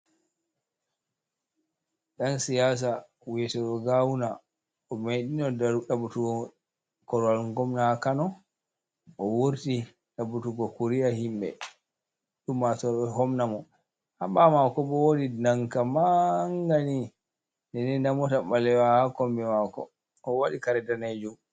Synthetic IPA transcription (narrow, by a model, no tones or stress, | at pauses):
ɗansijas̬a | wiɛtɔɗɔɡawuna | ʔɔmajɗinɔdɗabutuɡɔ | kɔɾwalŋɡɔmnahakanɔ | ʔɔwoɾti | ɗabutuɡɔkuɾiahimɓɛ̰ | ɗumːatɔɔɦɔmnamɔ | haɓamakɔbɔwodinaŋkamaŋɡani | nɛnɛndamɔtaɓalɛwahakɔmbɛmakɔ̰ | ɔwaɗikaɾɛdanad͡ʒum